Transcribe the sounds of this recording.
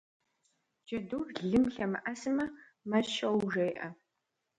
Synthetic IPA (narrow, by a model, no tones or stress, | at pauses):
d͡ʒɐduːrɮɨmɬɐmɨʔɐsɨmɐ | mɐʃɐwʒɐjʔɐ